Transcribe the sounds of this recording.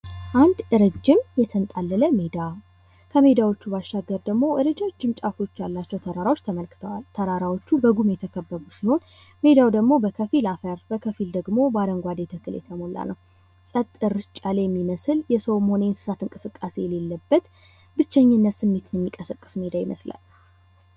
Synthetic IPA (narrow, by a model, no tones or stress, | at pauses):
ʔand̪ʔɨɾɨd͡ʒːɪmjɛt̪ʰənt̪ʼalːələmed̪a | kʰəme̞d̪awo̞t͡ʃːubaʃʃaɡəɾd̪əɡmo̞ʔɨɾɨd͡ʒad͡ʒːɨmt͡ʃʼafo̞t͡ʃːjalːat͡ʃːɛwt̪ʰəɾaɾawo̞t͡ʃːt̪ʰəməlkɨt̪ʰəwalt̪ʰəɾaɾawo̞t͡ʃːubəɡumjɛt̪ʰəkʰəbːəβusiho̞n | me̞d̪awd̪əɡmo̞bəkʰəfilafəɾbəkʰəfild̪əɡmo̞bad̪əŋɡʷad̪et̪ʰəkʰːɨljɛ̰t̪ʰəmo̞lʔa̰nʔəw | sʼət̪ʼːɨɾt͡ʃʼaljɛmːiməsɨljɛsəwmho̞nejnsɨ̥sat̪ɨŋkʼɨsɨkʼːase̞̰jɛlelːəbːət̪ | bɨt͡ʃːɛɲːɨnːət̪sɨmːet̪jɛmːikʼəsəkʼːɨ̥sme̞d̪ajimə̰sla̰l